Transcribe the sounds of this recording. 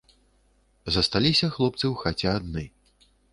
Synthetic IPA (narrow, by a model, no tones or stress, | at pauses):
zɐst̪alʲisʲɐxlˠɔp̚t̪sɨwxat͡sʲɛad̪nɨ